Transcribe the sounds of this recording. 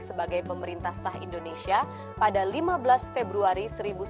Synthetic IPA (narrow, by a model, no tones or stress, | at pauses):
səbaɡajpəməɾint̪ahsaɦḭndonesia | padalimabəlasfebɾuaɾisəɾibu